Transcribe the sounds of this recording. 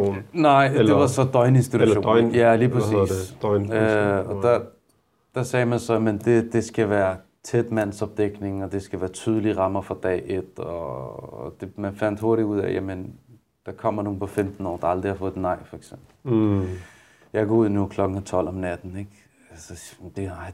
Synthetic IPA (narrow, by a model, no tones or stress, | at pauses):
nnɑɪ̰̥e̝ʋɑsɒ̽d̥ɒɪne̝nsd̥iduo̝̰jæliːpʰʁsiːsnɒ̽d̥a | d̥ɑ̈sɛːmænsɒ̽jmend̥e̝d̥e̝sɡ̥æʋæːɐ | t͡sʰed̥mæn̰sɒ̽b̥̚d̥eɡ̥ne̝ŋɒ̽d̥e̝sɡ̥æʋæːɐt͡sʰyːð̞ˠəliʁɑ̈mɐfɒd̥ɛ̰ːed̥ɒ | d̥e̝mænfæn̰d̥ho̝ɐɾiuð̞̰ˠæ̰jæmen | d̥ɑ̈kʰɒ̽m̰ɐno̝ːn̩pʰɒ̽femd̥n̩ɒ̰ːd̥ɑ̈ɑ̈ld̥ʁihɑ̈fɔ̽ːð̩ˠnɑ̈ɪ̰fɒ̽eɡ̥sem̰b̥l̩ | jɑ̈ɪɡ̥ʰɔ̽uð̞̰ˠnukʰlɒ̽ɡ̥ŋ̩æt͡sʰɒ̽l̰ɒmnæd̥n̩e̝ɡ̥ | ælsɒd̥e̝ɑɪ̰